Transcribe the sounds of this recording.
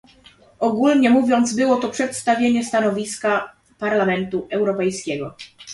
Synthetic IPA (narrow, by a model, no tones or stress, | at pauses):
ɔɡulɲɛmuvʲjɔnd̪zbɘwɔt̪ɔpʂɛt̪st̪avʲjeɲɛst̪anɔvʲiska | paɾlamɛnt̪uɛwɾɔpɛjskʲɛɡɔ